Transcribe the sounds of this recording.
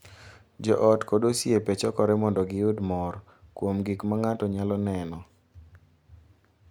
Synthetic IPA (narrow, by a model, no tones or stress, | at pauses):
d͡ʒɔ̰ʔɔtkodosiepet͡ʃɔkɔɾɛmɔndɔɡɪʊdmɔr | kwomɡikmaŋatɔɲalɔnɛnɔ